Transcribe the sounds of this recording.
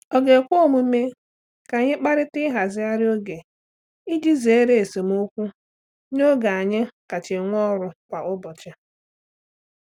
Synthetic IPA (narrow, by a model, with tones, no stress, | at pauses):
ɔ˨ɡe˨kʷo˦o˦˨mu˦me˦ | ka˨ɲɪ˦k͡pa˦ɾɪ˦tɪ˦ɦa˨zɪ˦a˦ɾɪ˦o˦ɡe˨ | i˦d͡ʒi˦zi˨e˦ɾe˨e˨se˨m˦o˦kʷu˦ | no˦ɡa˨a˨ɲɪ˦ka˨t͡ʃɪ˨ŋʷɔ˦ɾʊ˨kʷa˨ʔʊ˦bɔ˨t͡ʃa˦